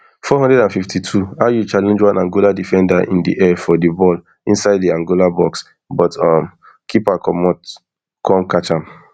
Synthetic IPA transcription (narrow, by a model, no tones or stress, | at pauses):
fɔɦɔ̃ndɹɛdãnfiftitʰuajut͡ʃalɛ̃nd͡ʒwãnãŋɡoladifɛ̃ndaʔḭ̃ndḭʔɛfɔdibɔl | ĩnsaɪddiãŋɡolabɔks | bɔtɔm | kʰipakɔmɔt | kʰɔ̃mkat͡ʃãm